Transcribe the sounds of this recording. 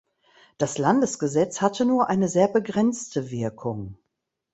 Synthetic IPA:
d̥aslandəsɡ̥əzɛt͡shatʰənuːɐʔaɪnəzeːɐbəɡʁɛnt͡stʰəvɪɐkʰʊŋ

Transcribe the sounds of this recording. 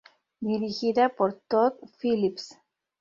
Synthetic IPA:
d̪iɾiɣiðapoɾt̪ot̪filips

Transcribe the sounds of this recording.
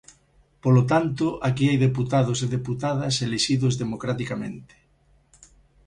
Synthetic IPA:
polot̪ant̪oʔakiajðeput̪að̞oseðeput̪aðɐseleʃiðozðemokɾat̪ikamḛ̃nt̪e̥

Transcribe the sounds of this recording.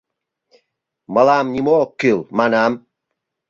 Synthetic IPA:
məlamnʲimokːylˠmanam

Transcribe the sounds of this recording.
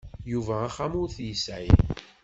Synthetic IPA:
juvæːχamʊɾθjəsʕḭn

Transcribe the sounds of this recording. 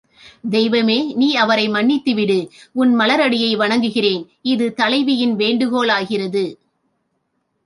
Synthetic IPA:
d̪ɛjʋɐmeːniːɐʋɐɾɐɪmɐɳːɪt̪ːɯʋɪɽɯʊnmɐlɐɾɐɽɪjɐɪʋɐɳɐŋɡɯɣɪreːn | ɪðɯt̪ɐlɐɪʋɪjɪnʋeːɳɖɯɣoːlaːɣɪrɐðɯ

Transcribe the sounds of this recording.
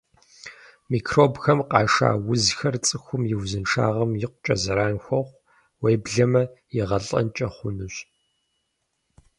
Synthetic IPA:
miːkʰroːbxɐmqɑːʂa̰ːwʊzxɐrt͡sʼɨxʷʊmjɪwzɨnʈ͡ʂʰa̰ːʁɐmjɪqʷʊt͡ʃʼɐzɐɾaːnxʷɐχʷ | wejbɮɐmɐjɪʁɐɬʼɐ̰nt͡ʃʼɐχʷʊnɨɕʼ

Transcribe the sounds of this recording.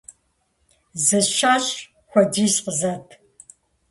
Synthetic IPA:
zɨʃaːɕʼ | xʷɔdiːzqəzɐtʰ

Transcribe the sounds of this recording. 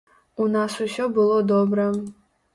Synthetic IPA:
unasusobɨlˠod̪obrɐ

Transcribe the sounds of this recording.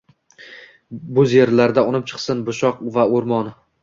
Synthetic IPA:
bɵzje̞ɾlaɾd̪aʊnɪp̚t͡ʃʰɨ̥qsɪnbʊʃɒqvaoɾmɒn

